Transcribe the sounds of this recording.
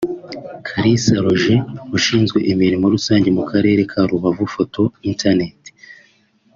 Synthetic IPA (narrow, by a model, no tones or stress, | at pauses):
kʰaɾisaɾoʒeuʃiːnzɡwe̞ʔimiɾimuɾusaːɲɟe̞mukʰaɾe̞ːɾe̞kʰaɾuβavufo̞tʰo̞intʰanete̥